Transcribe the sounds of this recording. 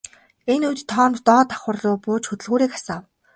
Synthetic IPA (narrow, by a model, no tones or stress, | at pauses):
enujt̪ʰːɔːmt̪ɔːt̪ḁχʊ̆rɮʊːpʊːt͡ɕxɵt̪ɘ̆ɮɣuːɾiːkḁsaːw